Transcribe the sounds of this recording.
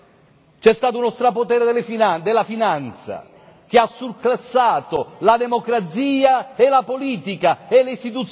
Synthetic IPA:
t͡ʃɛst̪aːt̪ounɔst̪ɾapot̪ɛːɾed̪lfid̪elːafinant̪sa̰ | k̟easːurklasːaːt̪olad̪emokɾat̪siːaelapoliːt̪ikaelist̪it̪̬ut̪s

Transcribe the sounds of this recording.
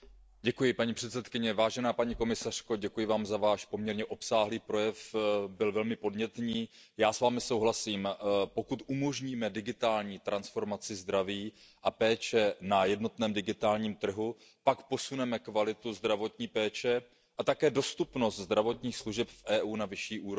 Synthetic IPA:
ɟɛkujɪpaɲipr̥ɛt̪sɛt̪kɪɲɛvaːʒɛnaːpaɲiko̞mɪsar̝̥koɟɛkujɪvaːmzavaːʃpo̞mɲɛɾɲɛʔo̞psaːɦliːpɾo̞jɛfbɪlvɛlmɪpo̞dɲɛt̪ɲiːjaːsvaːmɪso̞wɦlasiːmpo̞kut̪ʔumo̞ʒɲiːmɛdɪɡɪt̪aːlɲiːt̪ɾansfo̞ɾmat͡sɪzd̪ɾaviː | ʔapɛːt͡ʃɛnajɛdno̞t̪nɛːmdɪɡɪt̪aːlɲiːmt̪r̩ɦu | pakpo̞sunɛmɛkvalɪt̪uzd̪ɾavo̞t̪ɲiːpɛːt͡ʃɛ | ʔat̪akɛːdo̞st̪upno̞st̪zd̪ɾavo̞t̪ɲiːxsluʒɛpfʔɛːʔuːnavɪʃiːʔuːɾo

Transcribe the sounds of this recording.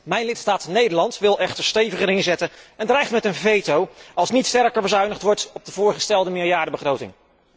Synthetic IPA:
mɛjnlɪtstaːtnejdəɹlɑntʋɪlˠɛχtəɹstejvəχəɾɪnzɛtənɛndrɛjχtmɛtənvejtowɑlˠsnitstɛɹkəɹbəzœɥnəχtʋɔɹtɔb̚dəvʊːɹχəstɛlˠdəmɪːɹjaːdəbəχrowtɪ̰ŋ

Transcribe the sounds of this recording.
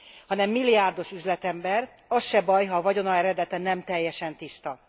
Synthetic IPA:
hɒnɛmːilːijaːrd̪o̞ʃyzlɛt̪ɛmbɛr | ɒsʃɛbɒjɦɒvɒɟo̞nɒɛɾɛd̪ɛt̪ɛnɛmt̪ɛjːɛʃɛnt̪ist̪ɒ

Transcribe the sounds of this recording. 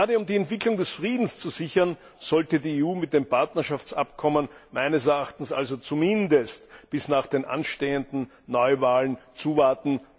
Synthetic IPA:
aːdəʊmdiːɛntv̥ɪklʊŋdɛsfʁiːdn̩st͡suzɪçɐn | z̥ɔltədiːeːuːmɪt̚d̥eːmpʰaɐtnɐʃaft͡sa̰pkʰɔmənmæɪnəsɛɐaxtn̩sʔa̰lzot͡sumɪndəstb̥ɪsnaːχd̥eːnʔa̰nʃteːəndn̩ | nɔʏvaːlənt͡suːvaɐtn̩

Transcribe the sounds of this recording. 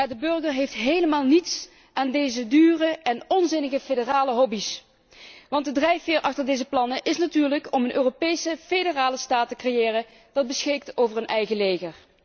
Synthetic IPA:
jaːdəbɵrɣəɹɦejftɦejləmaːlˠnits | ʔaːndejzədyːrəɛnɔnzɪnəɣəfedəraːləɦɔbis | ʋɑntdədrɛjfɪːɹʔɑxtəɹdejzəplɑnəʔɪsnatyːɹləkɔmənʔøːropejsəfedəraːləstaːtəkrejɪːrə | d̥ɑd̚bəsxɪk̚towvəɹənʔɛjɣəlejɣər

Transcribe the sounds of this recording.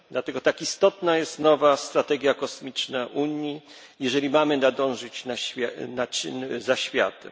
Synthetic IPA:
d̪lat̪ɛɡɔt̪akist̪ɔt̪najɛst̪nɔvast̪ɾat̪ɛɡʲjakɔsmʲit͡ʂnaʔuɲji | jɛʐɛlʲimamɘnad̪ɔ̃w̃ʐɘt͡ɕnafʲanat͡ɕzaɕfʲja̰t̪ɛm

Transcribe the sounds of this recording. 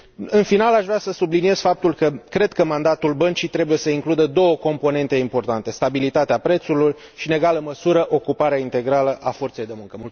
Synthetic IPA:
ɨnfinalaʃvɾʲasəsublinie̞z̥fap̚t̪ulkəkɾe̞d̪kəmand̪at̪ulbənt͡ʃit̪ɾe̞buje̞səiŋklud̪əd̪o̞wəko̞mpo̞ne̞nt̪e̞impo̞rt̪ant̪e̞st̪abilit̪at̪eapɾe̞t̪sulur | ʃine̞ɡaləməsuɾəʔo̞kupaɾeaint̪e̞ɡɾaləʔafo̞rt̪se̞jd̪e̞muŋkəmul

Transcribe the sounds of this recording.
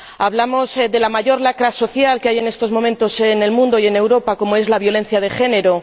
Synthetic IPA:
aβlamo̞zd̪e̞lamaʝo̞ɾlakɾaso̞θjalkeaje̞ne̞st̪o̞zmo̞mẽ̞nt̪o̞sene̞lmũnd̪o̞ie̞ne̞wɾo̞pako̞moe̞zlaβjo̞lẽ̞n̟θjað̞e̞xe̞ne̞ɾo̞

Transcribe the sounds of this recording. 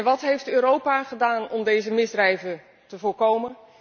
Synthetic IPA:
nʋɑtɦejftøːɾowpaχədaːnɔmdejzəmɪzdrɛjvə | təvʊːɹkowmən

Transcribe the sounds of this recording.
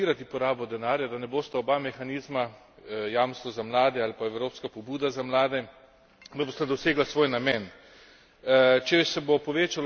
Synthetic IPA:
iːɾat̪ipɔɾaːbɔd̪ɛnaːɾjad̪anɛboːst̪aɔbamɛxaniːzma | jamst̪ʋɔzamlaːd̪ɛalpaɛwɾoːpskapɔbuːd̪azamlaːd̪ɛ | d̪aboːst̪ad̪ɔseːɡlasʋoːjnamɛn | t͡ʃɛsɛbopɔʋeːt͡ʃal

